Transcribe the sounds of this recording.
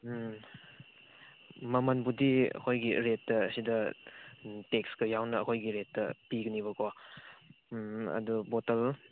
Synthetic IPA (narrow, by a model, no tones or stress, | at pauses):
mɐmɐnbudiɐ̰kʰojɡiɾetːɐːsidɐ | tekskɐjawnɐːkʰojɡiɾetːɐpiɡɐniβɐko | ɐ̰dubotɐl